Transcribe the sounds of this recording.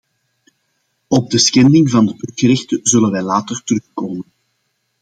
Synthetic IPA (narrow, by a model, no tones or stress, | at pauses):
ɔb̚dəsxɛndɪŋvɑndəpɵɣəɾɪxtəzɵlənʋɛjlaːtərtərɵxkoːmən